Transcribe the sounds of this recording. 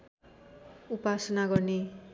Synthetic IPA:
upasʌnaɡʌrne

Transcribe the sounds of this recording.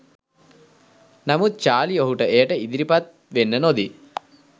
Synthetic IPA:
nɐmut͡ʃaːlioɦuʈɐʔeːʈɐid̪iɾipat̪̚ | ʋenːɐnod̪i

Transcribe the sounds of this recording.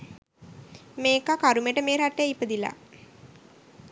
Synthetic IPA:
meːkakaɾumeʈəmeːɾaʈːejipəd̪ila̰

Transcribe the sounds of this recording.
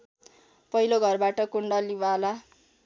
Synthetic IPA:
pʌɦiloɡʱʌrbaʈʌkuɳɖʌliwala

